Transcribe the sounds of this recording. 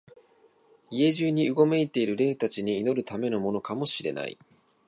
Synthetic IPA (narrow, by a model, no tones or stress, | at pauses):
ie̞ʑɨːɲ̟iɯɡo̞me̞it̪e̞iɾɯ̟ɾe̞ːt̪at͡ɕiɲ̟iːno̞ɾɯ̟t̪ame̞no̞mo̞no̞kamo̞ɕiɾe̞̰na̰ḭ